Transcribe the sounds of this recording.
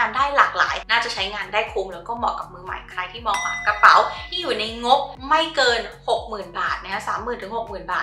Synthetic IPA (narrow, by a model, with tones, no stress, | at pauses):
aː˧ndaː˥˩jlaː˨˩k̚la̰ː˩˦jnaː˥˩t͡ɕa˨˩t͡ɕʰa˦˥jŋaː˧ndaː˥˩jkʰuː˧mɾɛː˦˥wkɔː˥˩mɔː˨˩kːa˨˩p̚mɯː˧ma̰˨˩˦jkʰɾa˧jt̪ʰiː˥˩mɔː˨˩wa̰ː˨˩˦mkɾa˧pa̰˩˦wt̪ʰiː˥˩juː˨˩na˧jŋo˦˥p̚ma˥˩jkɤː˧nho˨˩k̚mɯː˨˩nbaː˨˩t̪̚na˦˧kʰa˦˥saː˩˦mːɯː˨˩nt̪ʰɯ˩˦ŋho˨˩k̚mɯː˨˩nba̰ː˨˩t